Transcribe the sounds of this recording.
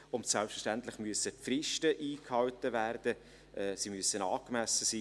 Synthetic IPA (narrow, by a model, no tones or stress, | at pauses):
ʊntsælpsfɛʃtænt̪lɪχmyəsəfrɪʃtəʔiːkhɑwtəvæːrd̥ə | ʔɛːsimyəsənɑːkmæsəsiː